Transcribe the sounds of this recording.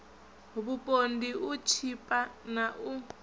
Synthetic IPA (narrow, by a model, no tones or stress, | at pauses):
βupʼondiut͡ʃʰipʼanaʔu